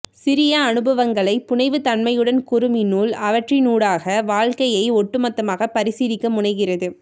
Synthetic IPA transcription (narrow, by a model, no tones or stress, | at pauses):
sɪɾɪjɐːnɯbɐʋɐŋɡɐɭɐɪpːʊɳɐɪʋɯt̪ɐnmɐjɯɽɐnkʊɾɯmɪnuːlɐʋɐʈrinuːɽaːɣɐʋaːɻkɐjɐɪɔʈːɯmɐt̪ːɐmaːɣɐpːɐɾɪsiːðɪkːɐmʊɳɐɪɣɪrɐðɯ